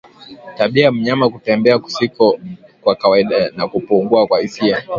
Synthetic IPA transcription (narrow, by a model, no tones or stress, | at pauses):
taɓiam̩ɲamakutɛmbɛaku̥sikɔkwakawaiɗanakupuŋɡuakwahisia